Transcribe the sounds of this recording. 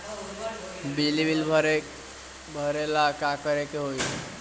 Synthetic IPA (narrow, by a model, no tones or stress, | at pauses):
bilibilbʱəɾe | bʱəɾelakakəɾekeɦoj